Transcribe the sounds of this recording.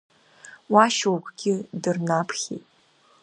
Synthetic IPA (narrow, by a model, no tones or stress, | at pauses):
waʃwukʷʰʼɡʲɪdɨrnapʰχʲḛtʼ